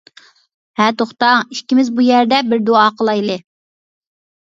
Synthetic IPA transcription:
hæɾt̪ʰoχt̪ɑiʃkʲːimɪzbujæɾd̪ɛbɪɾd̪oɑːqʰəlˠɑjlˠɨ

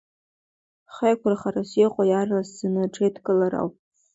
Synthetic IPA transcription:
χejkʷʰaraχarasiqʷʼajarasːɨnɨʈ͡ʂʰʼetkʼɨlaɾa̰wpʼ

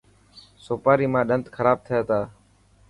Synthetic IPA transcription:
soːpaːɾiːmãːɗənt̪kʰəɾaːb̚t̪ʰəjaːt̪aː

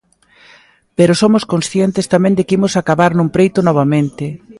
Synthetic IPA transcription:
peɾosomoskonsθjent̪ɪst̪amẽŋd̪ɪkimʊsakaβaɾnũŋpɾejt̪ʊnɔβ̞amẽnt̪ɪ

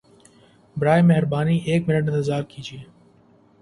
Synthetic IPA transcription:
bɾaːemeɦɪɾbaːniːʔeːk̚mɪnəʈ̬ɪ̃nt̪ɪzaːɾkiːd͡ʒieː

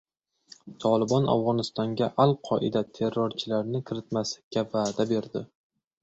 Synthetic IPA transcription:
t̪ʰɒlˠɪbɒna̰vʁɒnɪst̪ɒŋɡʲaʔalˠqʰɒʔɪd̪at̪ʰe̞ɾːɒɾt͡ʃʰɪlaɾnɪkʲʰɪɾɪt̪̚maslɪ̥kʲːavaːd̪abe̞ɾd̪ɪ

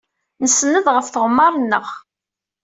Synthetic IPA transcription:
nəsːənəðʁəfθəʁmːɑɾˤnːəʁ

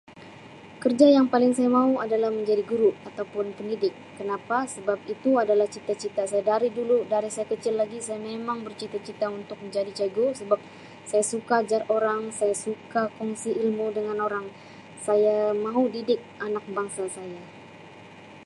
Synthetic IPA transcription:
kərd͡ʒajaŋpalɪŋsajamauadalahməɲd͡ʒadiɡuɾuʔat̪awpʊnpəndidɪkːənapasəbap̚it̪uadalaht͡ʃit̪at͡ʃit̪asajadaɾiduludaɾisajakət͡ʃɪlːaɡisajamemaŋbərt͡ʃit̪at͡ʃit̪aunt̪ʊk̚məɲd͡ʒadit͡ʃaɡusəbap̚ | sajasukad͡ʒaroɾaŋsajasukakɔŋsiilmudəŋanoɾaŋ | sajamaudidɪk̚ʔanak̚baŋsasaja

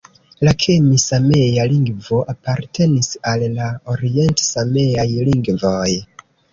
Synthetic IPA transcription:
lakʰemisame̞jaliŋɡvo̞ʔapaɾtʰe̞nisalːaoɾie̞ntsamejajliŋɡvoj

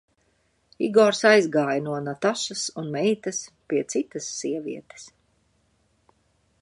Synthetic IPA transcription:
ḭɡɔɾsajzɡaːjnuɔnat̪aʃasunmɛjt̪ɐspiɛt̪sit̪ɐsːiɛviɛt̪e̥s

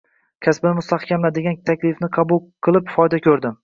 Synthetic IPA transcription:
kʲʰasbɪnɪmʊst̪ʰahkʲamlad̪ɪɡʲant̪ʰakʲlɪfnɪqʰɑbulˠqʰɨlˠɪpfɒjd̪akʲʰɵɾd̪ɪm

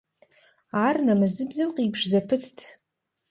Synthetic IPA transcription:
arnamazɨbzɨmqʼibʰʂzapʰɨtʰtʰʼ

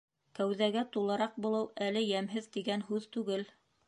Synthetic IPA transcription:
kæwðæɡæt̪ulˠɤ̆ɾɑq̚bulˠɤwælɘjæmɦɘðt̪iɡænɦʉðt̪ʉɡɘl

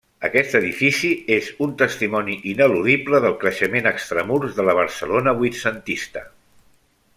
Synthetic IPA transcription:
əkɛst̪əðifisiezunt̪əst̪imɔniʔinəluðipləðəlˠkɾəʃəmenəkst̪ɾəmuɾzðələβ̞əɾsəlonəβwit̪sənt̪ist̪ə

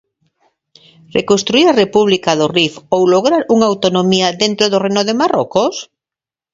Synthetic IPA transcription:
rekõnst̪ɾuiɾarepuβ̞likaðorifowloɣɾaɾuŋawt̪onomiaðent̪ɾoðorejnoðemarokos

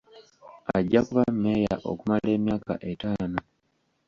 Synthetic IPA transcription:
aɟːakuβamːejaʔo̞̰kumale̞ːmjaːka̰ʔe̞taːno

